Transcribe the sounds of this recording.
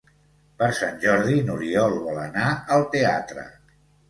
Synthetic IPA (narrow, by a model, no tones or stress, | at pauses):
pəɾsanʲʒɔɾðinuɾiɔlˠβɔlənaəlˠt̪ea̰t̪ɾə̰